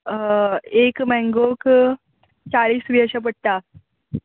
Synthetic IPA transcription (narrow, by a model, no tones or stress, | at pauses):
ekmɛ̃ŋɡok | t͡ɕaɭiːsʋiəɕap̬əɽ̚t̪a